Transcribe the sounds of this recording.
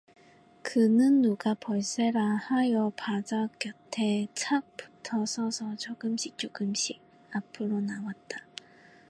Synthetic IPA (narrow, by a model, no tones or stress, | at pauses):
kɯnɯnːuɡapʌɭs͈e̞ɾahajʌpad͡ʑak͈jʌtʰe̞t͡ɕʰak̚pu̥tʰʌsʰʌsʰʌt͡ɕoɡɯmɕʰik̚t͡ɕ͈oɡɯmɕ͈ʰiɡ̚ | apʰɯɾonawat̚t͈a